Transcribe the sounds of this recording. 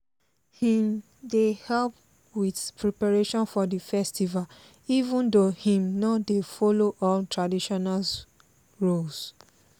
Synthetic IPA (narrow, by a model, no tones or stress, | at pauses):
hĩm | dehɛlp̚ | witpɹɛpaɹeʃɔ̃nfɔdəfɛstival | ivũndohĩmnadefɔloʔɔltʰɹadiʃɔnal | ɹols